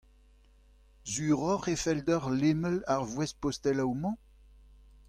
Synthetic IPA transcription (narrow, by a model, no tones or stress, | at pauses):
zyʁɔʁefɛld̪œʁleməlaʁvwɛspɔst̪ɛlawmɑ̃